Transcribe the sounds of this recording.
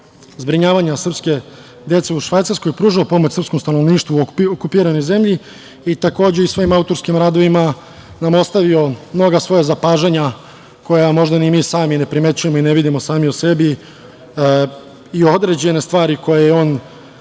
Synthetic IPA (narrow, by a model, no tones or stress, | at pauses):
zbɾiɲaːʋaɲasr̩pske̞ | d̪je̞t̪se̞uʃʋajt̪aɾskojepɾuːʒaopo̞mot͡ɕsɾr̩psko̞mst̪ano̞ʋniːʃt̪ʋuookupiːɾano̞jze̞mʎi | it̪ako̞ːd͡ʑe̞isʋo̞imaut̪o̞ɾskimɾaːd̪o̞ʋima | namo̞st̪aʋio̞mno̞ɡasʋo̞jazapaːʒeɲa | kʰo̞jamo̞ʒd̪animiːsaːmine̞pɾime̞t͡ɕuje̞moineʋid̪imo̞saːmiuse̞bi | io̞d̪ɾe̞d͡ʑe̞ne̞st̪ʋaːɾiko̞jejeo̞ːn